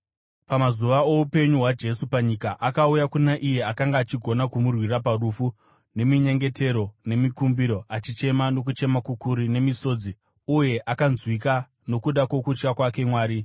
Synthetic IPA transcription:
pamazuʋaoupe̞ɲuɦwad͡ʒe̞supaɲikaʔakaujakunaʔije̞akaŋɡaːt͡ʃiɡʱo̞nakumurwiraparufu | ne̞miɲe̞ŋɡe̞te̞ɾo̞ne̞mikumbiɾo̞at͡ʃit͡ʃe̞mano̞k̬ut͡ʃe̞makukuɾine̞miso̞ːd͡zi | uje̞ʔakanzwika | no̞kuɗako̞kut͡ʃkakwake̞mwaːɾi

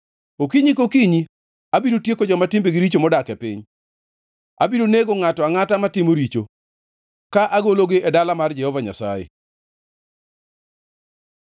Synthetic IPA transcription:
okiɲikokiɲi | abiɾotjekod͡ʒɔmatɪmbeɡɪɾit͡ʃomɔdakɛpɪ̰ɲ | a̰biɾoneɡoŋatɔaŋatamatɪmoɾit͡ʃo | kaʔaɡoloɡɪʔɛdalamard͡ʒɛhɔvaɲa̰sa̰jḛ

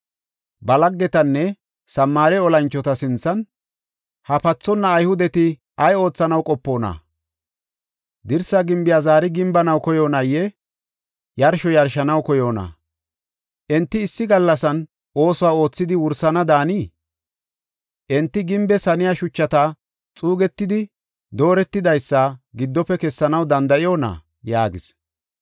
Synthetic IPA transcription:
bɐlɐɡːɛt̪ɐnːɛ | sɐmːaːɾɛɔlɐnt͡ʃːɔt̪ɐsɪnt͡sːɐn | hɐpɐt͡sːɔnːɐːjhʊd̪ɛt̪ɪ | ɐjo̞ːt͡sːɐnɐwkʼɔpːo̞ːnɐ̰ | d̪ɪɾsɐɡɪmbɪjaːzaːɾɪɡɪmbɐnɐwkɔjo̞ːnɐjːɛ | jɐɾʃɔjɐɾʃɐnɐwkɔjo̞ːnɐ̰ | ʔɛnt̪ːɪːsːɪɡɐlːɐsɐn | ʔo̞ːsɔwaːo̞ːt͡sːɪd̪ɪwʊɾsɐnɐd̪aːniː | ʔɛnt̪ːɪɡɪmbɛsɐnɪjaʃʊt͡ʃːɐt̪ɐ | t͡sʼuːɡɛt̪ːɪd̪ɪ | d̪o̞ːɾɛt̪ːɪd̪ɐjsːɐɡɪd̪ːɔpːɛkɛsːɐnɐwd̪ɐnd̪ɐʔɪjo̞ːnɐ̰ | jaːɡɪ̰s

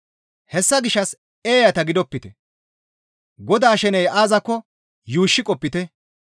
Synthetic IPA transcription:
hɛsːɐɡɪʃːɐs | eːjɐt̪ɐɡɪd̪ɔpːɪt̪ɛ | ɡɔd̪aːʃɛnɛjʔaːzɐkːɔ | juːʃːɪkʼɔpːɪt̪ɛ

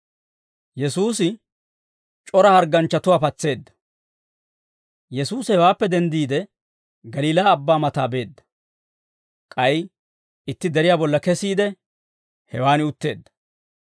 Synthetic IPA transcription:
jɛsuːsɪ | t͡ʃʼɔɾɐhɐɾɡɐnt͡ʃːɐt̪ʊwaːpɐt͡sːe̞ːd̪ːɐ̥ | jɛsuːshɛwaːpːɛd̪ɛnd̪iːd̪ɛ | ɡɐliːlaːbːaːmɐt̪aːbe̞ːd̪ːɐ̥ | kʼɐj | ɪt̪ːɪd̪ɛɾɪjaːbɔlːɐkɛsiːd̪ɛ | hɛwaːnɪʊt̪ːe̞ːd̪ːɐ̥

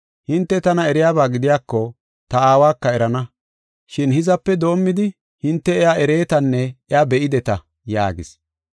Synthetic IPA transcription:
hɪnt̪ːɛt̪ɐnɐɛɾɪjaːbaːɡɪd̪ɪjaːkːɔ | t̪ɐaːwaːkːɐɛɾɐnɐ | ʃɪnhɪzɐpːɛd̪o̞ːmːɪd̪ɪ | hɪnt̪ːɛɛaɛɾe̞ːt̪ɐnːɛɛabɛʔɪd̪ɛt̪ɐ | ja̰ːɡɪ̰s

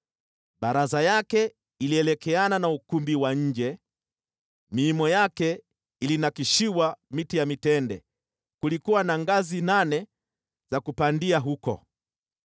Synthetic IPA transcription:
ɓaɾazajakɛ | iliɛlɛkɛananaukumbiwaɲ̩d͡ʒɛ | miːmɔjakɛ | ilinakiʃiwamitijamitɛndɛ̰ | kulikuwanaŋɡazinanɛ | zakupandiaɦukɔ̰

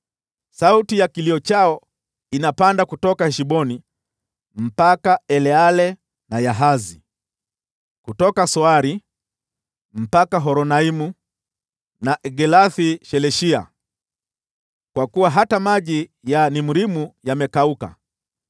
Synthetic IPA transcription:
sautijakiliɔt͡ʃaɔ | inapandakutɔkahɛʃiɓɔni | m̩pakaɛlɛalɛ | najaɦazi | kutɔkasɔaɾi | m̩pakaɦɔɾɔnaimu | naʔɛɡɛlaθiʃɛlɛʃia̰ | kwakuwaɦatamaʄijanimuɾimujamɛkauka̰

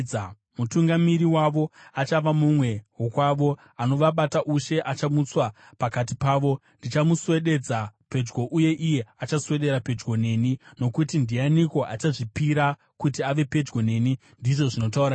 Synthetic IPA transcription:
mutuŋɡamiɾiwaʋo̞at͡ʃaʋamumwe̞wokwaʋo̞ | ano̞ʋaɓataʔuʃe̞ʔat͡ʃamut͡swa | pakat̬ipaːʋo̞ndit͡ʃamusuwe̞ɗe̞d͡zape̞d͡ʒɡo̞ʔuje̞ʔije̞at͡ʃasuwe̞ɗe̞ɾape̞d͡ʒɡo̞ne̞ːnino̞kutindianiko̞ʔa̰t͡ʃaʐipiɾa | kutiaʋe̞pe̞d͡ʒɡo̞ne̞ːni | ndiʐo̞ʐino̞t̬aurɾa

